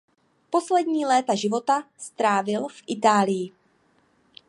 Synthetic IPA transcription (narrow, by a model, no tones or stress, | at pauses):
po̞slɛdɲiːlɛːt̪aʒɪvo̞t̪ast̪ɾaːvɪlfʔɪt̪aːlɪjɪ